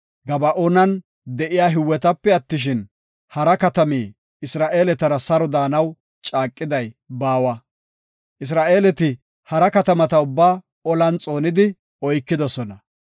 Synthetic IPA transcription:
ɡɐbɐʔoːnɐn | d̪ɛʔɪjaːɦɪwːɛt̪ɐpːɛɐt̪ːɪʃ̬ɪn | hɐɾɐkɐt̪ɐmiː | ɪsɾaːʔe̞ːlɛt̪ɐɾɐsɐɾɔd̪aːnɐw | t͡ʃʼaːkʼːɪd̪ɐjbaːwɐ | ʔɪs̬ɾaːʔe̞ːlɛt̪ɪ | hɐɾɐkɐt̪ɐmɐt̪ɐʊbːaː | ɔlɐnt͡sʼo̞ːnɪd̪ɪ | ɔjkːɪd̪ɔsɔnɐ

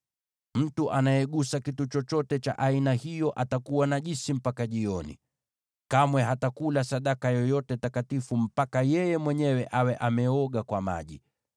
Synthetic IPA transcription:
m̩tuʔanajɛɠusakitut͡ʃɔt͡ʃɔtɛt͡ʃa̰ʔainahijɔʔatakuwanaʄisim̩pakaʄiɔnḭ | kamwɛɦatakulasaɗakajɔjɔtɛtakatifum̩pakajɛjɛmwɛɲɛwɛʔawɛʔamɛɔɠakwama̰ʄi

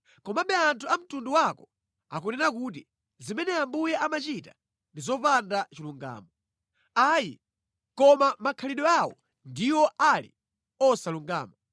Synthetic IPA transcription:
kɔmaɓɛantʰuam̩tunduwakɔ | a̰kɔnɛnak̬uːt̬i | zimɛnɛambujɛʔamat͡ʃita | ndizɔpandat͡ʃiluŋɡa̰ːmɔ | aːjḭ | kɔmamakʰaliɗɔawɔ̰ | ndiwɔʔalḭ | ɔsaluŋɡa̰ːma

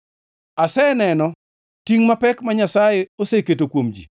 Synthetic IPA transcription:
asɛnɛnɔ | tiŋmapɛkmaɲasajeoseketokwomd͡ʒḭ

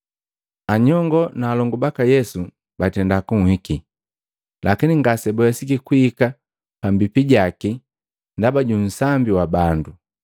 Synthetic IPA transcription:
aɲɔŋɡɔnaːlɔŋɡɔbakajɛsu | batɛndakuŋ̩hiki | lakiniŋɡasɛbɔjasikikuika | pambipiɟaki | ndabaɟun̩sambiwabandu

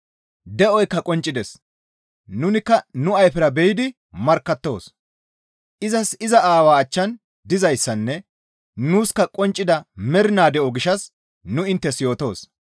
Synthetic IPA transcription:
d̪ɛʔɔjkːɐkʼɔnt͡ʃʼːɪd̪ɛs | nʊnɪkːɐnʊɐjfɛɾɐbɛjɪd̪ɪ | mɐɾkːɐt̪ːo̞̰ːs | ʔɪzɐsɪzɐʔaːwaːɐt͡ʃːɐn | d̪ɪzɐjsːɐnːɛ | nuːskɐkʼɔnt͡ʃʼːɪd̪ɐmɛɾɪnaːd̪ɛʔɔɡɪʃɐs | nʊɪnt̪ːɛsjo̞ːt̪o̞ːs

